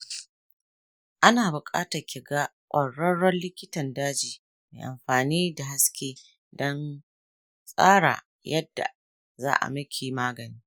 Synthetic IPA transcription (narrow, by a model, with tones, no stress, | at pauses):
ʔa˦naː˨bʊ˨kʼa̰ː˦tɐ˨kʲɪ˨ɡaː˦kʷʼɐ˨ɽːɐ˦ɽːɔ˦nlɪ˦kʲɪ˦tɐ˨ndaː˦d͡ʒiː˨ | meː˨ʔa̰˨mɸaː˨niː˦da˨ɦa˦skʲeː˦ | dɔ˦n | sʼaː˦ɽa̰˨ | jɐ˦dːa̰˨ | za̰ː˦ʔa̰˨mɪ˦kʲʰeː˨maː˦ɡɐ˨niː˦